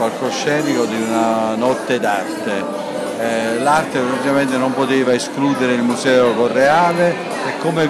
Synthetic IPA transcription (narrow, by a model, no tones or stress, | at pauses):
alkoʃːɛːnikod̪iunanɔt̪ːed̪art̪e | lart̪epɾat̪ikament̪enompot̪eːvaeskluːd̪eɾeilmusɛːokorːeaːle | ekːome